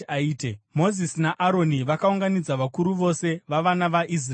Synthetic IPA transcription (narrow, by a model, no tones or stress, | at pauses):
aiːtemo̞zisinaʔaɾo̞niʋakauŋɡanid͡zaʋakuɾuʋo̞se̞ʋaʋanaʋaʔis̬r